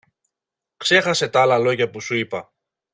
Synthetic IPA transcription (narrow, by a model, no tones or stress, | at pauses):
kse̞xɐse̞t̪ɐɐlɐlo̞ʝɐpusuipɐ